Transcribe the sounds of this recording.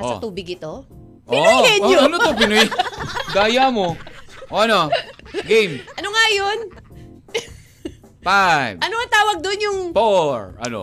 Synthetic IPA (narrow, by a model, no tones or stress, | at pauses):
ʔosɐ̰t̪uːbɪɡɪt̪o | ʔɪoɛɲoonot̪obɪnojɡ̪aːjamoʔoʔɐnoɡejmʔɐnoŋajon | pajvʔɐnoŋɐt̪aːwɐɡ̚d̪oʔnjʊŋfoɹʔɐ̰no̰